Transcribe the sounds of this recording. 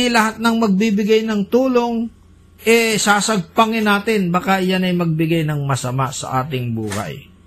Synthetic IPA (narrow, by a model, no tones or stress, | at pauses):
ɪlɐhat̪̚nɐŋmɐɡ̚bibɪɡajnɐŋt̪uːloŋ | ʔɛsaːsɐɡ̚pɐŋɪnaːt̪ɪnbɐkajanɐjmɐɡ̚bɪɡajnɐŋmɐsɐma̰sɐ̰ʔaːt̪ɪŋbṵːhɐ̰j